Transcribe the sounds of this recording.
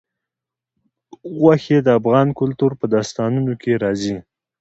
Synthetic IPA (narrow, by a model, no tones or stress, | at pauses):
ɣwaxed̪əafɣɑnkʊlt̪uɾpəd̪ɑst̪ɑnunokʰeɾɑzi